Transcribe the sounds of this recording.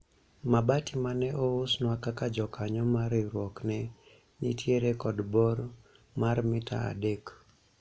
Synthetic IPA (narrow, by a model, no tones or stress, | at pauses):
mabatimanɛʔɔʊsnwakakad͡ʒɔkaɲɔmaɾɪɾwɔknɛ | nitʰjeɾekɔdbɔɾ | marmɪtʰa̰a̰dek